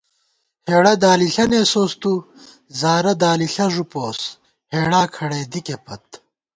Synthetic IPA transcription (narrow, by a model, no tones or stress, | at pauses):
heːɽɐd̪aːliɬɐneːsoːst̪u | zaːɾɐd̪aːliɬɐʐupoːs | heːɽaːkʰɐɽeːd̪ikepʰɐt̪̚